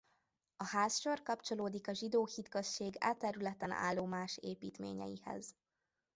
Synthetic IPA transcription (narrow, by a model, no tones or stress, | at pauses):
ɒhaːsʃorkɒpt͡ʃo̞loːd̪ikɒʒid̪oːhit̪køsʃeːɡa̰ːt̪ːɛɾylɛt̪ɛna̰ːlːoːmaːʃeːpiːt̪mḛːɲɛ̰jihɛ̰z̥